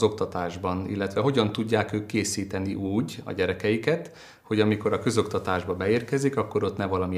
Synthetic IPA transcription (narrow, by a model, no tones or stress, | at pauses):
o̞kt̪ɒt̪aːʒbɒnḭlːɛt̪ʋɛɦo̞ɟɒnt̪uɟːaːkøːkːeːsiːt̪ɛniʔuːɟɒ̰ɟɛɾɛkɛjikɛt̪ | ho̞ɟɒmiko̞ɾɒkø̞zo̞kt̪ɒt̪aːʒbɒbɛeːrkɛzikɒkːo̞ɾo̞t̪nɛvɒlɒmi